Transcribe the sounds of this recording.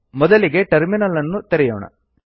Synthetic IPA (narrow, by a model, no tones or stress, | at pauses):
mɔd̪ɐliɡe̞ʈɐɾminɐlːɐnːut̪eɾɛjoːɳɐ̰